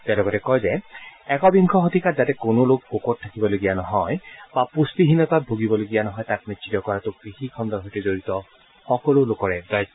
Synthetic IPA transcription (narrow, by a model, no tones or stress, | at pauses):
tɛalɔɡɔtɛkɔjzɛɛkɔbiŋkʰɔxotikatzatɛkonolok̚okɔtʰːakibɔloɡijanɔɦɔjbapustiɦinɔtat̚bʱoɡibɔloɡijanɔɦɔjtak̚nitsitɔkɔɹatʊkkixikʰɔndɔɹɦɔjtɛzoɹitɔ | xɔkɔlʊlokɔɹɛdaj